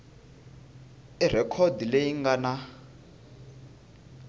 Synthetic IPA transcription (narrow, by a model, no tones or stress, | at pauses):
ir̤ɛkʰɔdilejiŋɡana